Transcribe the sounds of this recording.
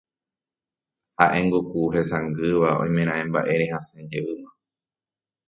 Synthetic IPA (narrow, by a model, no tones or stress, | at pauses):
haʔẽŋɡukuɦesãŋɡɨʋaõ̰j̃mẽɾ̃ãẽmba̰ʔeɾehasẽɲd͡ʒeɨma